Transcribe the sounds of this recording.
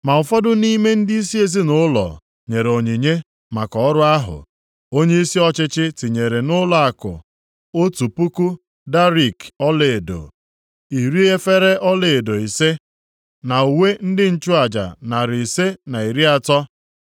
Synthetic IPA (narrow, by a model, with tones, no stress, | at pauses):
ma˨ʊ˨fɔ˦dʊ˦ni˦me˦n̩˦di˦i˦si˦e˨zi˦nʊ˦lɔ̰˨ | ɲe˨ɾo˨ɲi˨ɲe˦ | ma˨kɔ˨ɔ˦ɾʊ˦a˦ɦʊ̰˨ | o˦ɲe˦i˦si˦ɔ˦t͡ʃɪ˦t͡ʃɪ˦tɪ˨ɲe˨ɾe˨nʊ˦lɔ˦a˨kʊ̰˨ | o˦tu˨pu˦ku˦ | da˦ɾi˨kɔ˦le˨do̰˨ | i˨ɾi˦e˦fe˦ɾe˦ʔɔ˦le˨do˨i˨se˦ | na˨u˨we˦n̩˦dɪ˦n̩˦t͡ʃʊ˦a˨d͡ʒa̰˨na˨ɾi˨i˨se˦na˨i˨ɾi˦a˦tɔ˦